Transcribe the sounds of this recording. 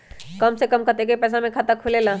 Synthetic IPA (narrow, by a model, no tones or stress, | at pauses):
kɐmsekɐmkət̪ekepɛːs̬amẽkʰat̪akʰʊlela